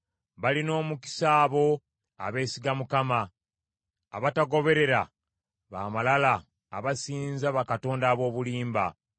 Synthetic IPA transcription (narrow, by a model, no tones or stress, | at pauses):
βalino̞ːmuki̥saːβo̞ | a̰βe̞ːsiɡamukamaː | βataɡo̞βe̞ɾe̞ɾa | βa̰ːmalalaː | βasiːnzaβakato̞ːndaːβo̞ːβuliːmba̰